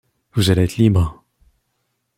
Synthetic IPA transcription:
vuzaleɛt̪ʰlibʁə

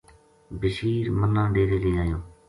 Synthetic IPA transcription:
bɪʃiːɾmənːãːɖeːɾeːɾeːaːjõː

